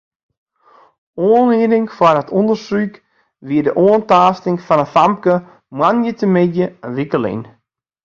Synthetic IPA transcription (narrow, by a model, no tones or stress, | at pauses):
oənɪənɪŋfardɔtʰondərsryk | ʋiədəʔoːəntaːstɪŋfɔnəfamp̚kə | mwanjətəmɪdjəəʋikəlɪ̰n